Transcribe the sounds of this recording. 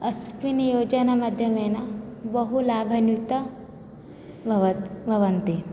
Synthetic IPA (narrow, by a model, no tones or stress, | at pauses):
ɐspinijoːd͡ʒɐnamɐd̪ʱjɐmeːnabɐɦulaːbʱɐnjut̪ɐ | bʱɐʋt̪bʱɐʋɐnt̪e